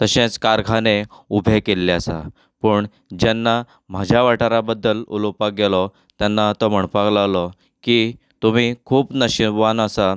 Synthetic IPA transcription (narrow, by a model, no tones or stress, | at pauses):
t̪əɕẽt͡skaɾɡʱaneubʱekelːeasa̰ | pəːɳ | d͡ʑanːa | m̤ad͡ʑʱjaʋaʈaɾabəd̪ːəlṵlopak̚ɡelɔ | t̪janːat̪ɔm̤əɳpaɡlalɔ | ki | t̪um̤iːkʰuːpnəɕibʋanəsa